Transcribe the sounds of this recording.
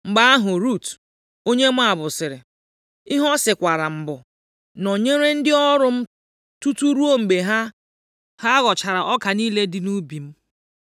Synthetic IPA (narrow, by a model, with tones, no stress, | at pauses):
ŋ͡m̩˨ɡ͡ba˦a˦ɦʊ˨ɾu˦˨t | o˦ɲe˦mʷ˦a˨bʊ˨sɪ˨ɾɪ̰˨ | i˦ɦɔ˦sɪ˨kʷa˨ɾa˨m̩˨bʊ˨ | no˨ɲe˦ɾe˦n̩˦dɪ˦ɔ˦ɾʊ˦m̩˦ | tu˦tu˦ɾu˦o˦ŋ͡m̩˨ɡ͡be˨ɦa˦ | ha˦ɣɔ˨t͡ʃa˨ɾa˨ʔɔ˦ka˨niː˦le˦dɪ˨nu˦bi˨m̩˦